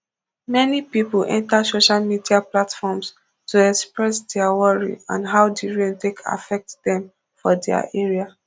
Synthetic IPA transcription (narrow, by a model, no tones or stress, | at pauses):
mɛnipipulʔɛ̰̃ntasoʃalmidiaplatfɔms | tuɛkspɹɛsdɛawɔɹḭã̰nɦaʊdiɹemtekʰa̰fɛk̚tdɛ̃m | fɔdɛa̰ʔɛɹia